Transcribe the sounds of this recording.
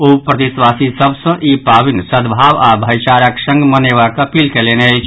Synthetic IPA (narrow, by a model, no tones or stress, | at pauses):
opɾət̪iswasisəbsə̃ʔipabinsəd̪bʱaʋabʱəjt͡ʃaɾəksə̃ŋɡməneβakəpilkeleneəɪt͡ʃʰ